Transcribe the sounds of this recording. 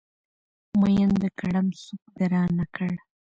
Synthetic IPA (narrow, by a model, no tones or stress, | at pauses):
majənd̪əkaɽamsuk̚d̪aɾɑːnːakʰəɽ